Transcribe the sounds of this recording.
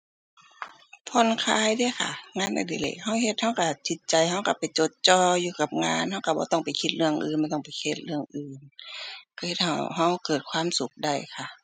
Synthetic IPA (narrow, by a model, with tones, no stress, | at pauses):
pʰɔ˧˥˨nkʰaː˧˨jdaː˧˨xʰa̰˧˩ŋaː˧˥˨nda̰˧˩di˧˩lḛ˧˩k̚ha˧˩wɦe˧t̪̚ha˧˥˩wka˧˩t̪ʰi˧˦t̪̚t͡ɕa˨˩jɦa˧˥˩wka˧˩pa˨˩jt͡ɕo˧˦t̪̚t͡ɕɔː˧˩juː˧ka˧p̚ŋaː˧˥˨nha˧˥˩wka˧˩bɔː˧t̪ɔ˧˩ŋpa˨jkʰi˧˩t̪̚lɯ˧əŋʔɯ̰ː˨nbɔː˧˩t̪ɔ˧˥˨ŋpa˨˩jkʰe˧˩t̪̚lɯ˧˩əŋʔɯː˨nka˧˩he˧t̪̚ha˧˩wɦa˧˩wkɤː˨˩t̪̚kʰwaː˧˥˨msu˧˦k̚da˧˩jkʰa˧˩